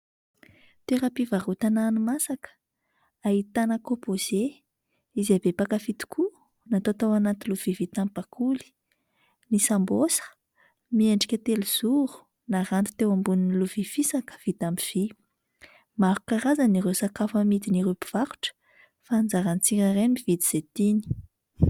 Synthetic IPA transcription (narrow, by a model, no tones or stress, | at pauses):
t̪eɾapivaɾut̪ananumasakə̥ | aɦit̪anəkopoz̥e | izabepakafit̪i̥kʰu | nat̪ot̪awanat̪iluv̥ivit̪amipakʰuli̥ | nisambosə̥ | mieɳɖ͡ʐikʲət̪eliz̥uɾu̥ | naɾant̪u̥t̪ewambuniniluv̥ifisakə̥v̥it̪amiv̥i | maɾukaɾazaniɾewsakafəmid̪iniɾupi̥v̥aɾu̥ʈ͡ʂə̥ | fand͡zaɾanit͡siŋaremivid̪iz̥et̪ini̥